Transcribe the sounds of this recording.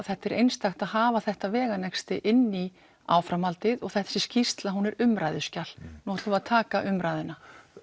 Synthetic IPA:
θɛht̪ːɛɾʔejnst̪axt̪aðhaːvaθɛht̪avɛːɣanɛkst̪ɪʔɪnːi | a̰ːwfɾamalt̪ɪðɔɣθɛht̪ḁsɪscist̪laɦunɛɾʏmɾaːjðʏ̥scal̥nuat̪ʏaðt̪ʰaːkaʔʏmɾajðʏna

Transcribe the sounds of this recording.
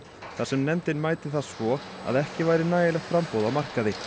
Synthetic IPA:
θasɛmnɛmt̪ɪnmaːjt̪ɪθaðsvɔa̰ðɛhcɪvaːjɾɪnaːjɪlɛxt̪fɾampowðawmar̥kaðɪ

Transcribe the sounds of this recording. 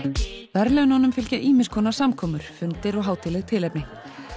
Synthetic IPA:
vɛɾlɛɣʏnɔnʏmfɪlcaʔiːmɪnskʰɔːnasamkʰɔːmʏɾ̥fʏnt̪ɪɾɔɣɦaːwt̪ʰɪlɛɣt̪ʰɪlɛjpnɪ

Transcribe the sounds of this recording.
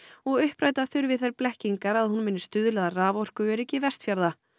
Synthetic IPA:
ɔɣʏhpɾaːjt̪aθʏɾvɪðθajɾplɛhciŋkaɾaðhunmɪnːɪ̥st̪ʏðʏlɛðaraːvɔr̥kʏvɛɾʏɛcːɪvɛst̪fjaɾða

